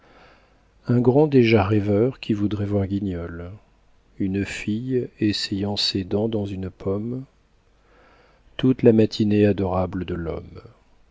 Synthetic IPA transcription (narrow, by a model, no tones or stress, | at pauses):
ɛ̃ɡʁɑ̃d̪eʒaʁɛvœʁkʲivud̪ʁɛvwaʁɡʲiɲɔl | ynfijesejɑ̃sed̪ɑ̃d̪ɑ̃zynpʰɔm | t̪ut̪lamat̪ʰinead̪ɔʁabləd̪əlɔ̰m